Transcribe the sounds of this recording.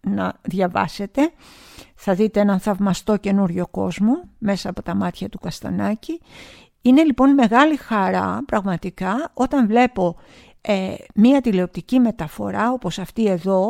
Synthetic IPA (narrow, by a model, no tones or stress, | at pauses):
nɐðʝɐvɐ̰se̞t̪e̞ | θɐðit̪eenɐnθɐvmɐst̪o̞ce̞nuɾʝo̞ko̞zmome̞sɐːpo̞t̪ɐmɐt̪çɐt̪ukɐst̪ɐ̰nɐci | ine̞lipo̞nme̞ɣɐlixɐɾɐ̰pɾɐɣmɐt̪ikɐo̞t̪ɐɱvle̞po̞ | emiɐt̪ileo̞p̚t̪icime̞t̪ɐfo̞̰ɾɐo̞po̞sɐft̪ie̞ðo̞